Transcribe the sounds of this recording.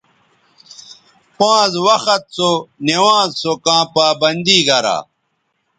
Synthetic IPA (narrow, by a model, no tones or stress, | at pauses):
pãːzwɐxɐt̪̚sonewãːzsokãːpaːbɐnd̪iɡɐɾa̰ː